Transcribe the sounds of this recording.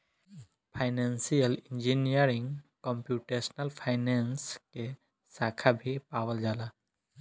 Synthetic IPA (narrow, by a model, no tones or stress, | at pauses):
pʰajnansijəlind͡ʒinijəɾiŋkɔmpjuʈesnəlpʰajnenske | sakʰabʱipawəld͡ʒala